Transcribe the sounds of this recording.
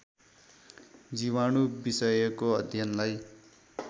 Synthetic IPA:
d͡ziwanubisʌjʌkoʌd̪ʱjʌnlaj

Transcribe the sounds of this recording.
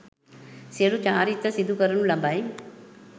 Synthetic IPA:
seɽut͡ʃaːɾit̪ːɐsid̪ʱukɐɾɐɳulɐbaːi

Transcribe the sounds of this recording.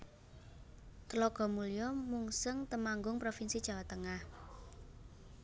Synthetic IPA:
t̪əlɔɡ̥ɔ̤mulijɔmuŋsəŋt̪əmaŋɡʊŋpɾofinsi̥ʒ̥a̤wat̪əŋah

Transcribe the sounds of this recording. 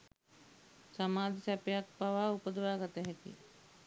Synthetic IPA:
samaːd̪isæpejak̚paʋaːupəd̪əʋaːɡat̪əɦɛkḭ

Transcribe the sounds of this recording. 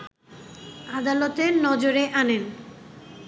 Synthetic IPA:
ad̪alot̪enɔd͡ʑoɾeʔanen

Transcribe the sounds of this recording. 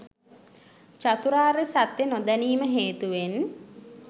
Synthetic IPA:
t͡ʃat̪uɾaːɾesat̪jenod̪æniːməɦeːt̪uʋen

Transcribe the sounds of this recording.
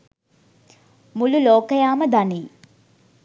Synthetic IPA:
mululoːkəjaːməd̪aniː

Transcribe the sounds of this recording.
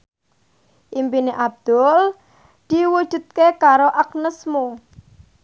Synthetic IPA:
ʔimpineʔab̚d̪̥ʊl | d̪̥iwud̥ʒ̥ṳt̪̚kekaɾoʔaknəsmo

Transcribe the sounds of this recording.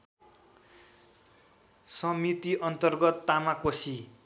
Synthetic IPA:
sʌmit̪iʔʌnt̪ʌrɡʌt̪ːamakosi

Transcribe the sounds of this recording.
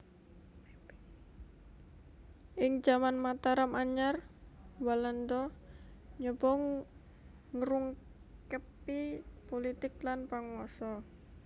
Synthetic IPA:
ʔɪŋd͡ʒamanmat̪aɾamaɲarwaland̪ɔ | ɲɔbɔŋ | ŋəɾuŋ | kəpipolit̪ɪklanpaŋwɔsɔ

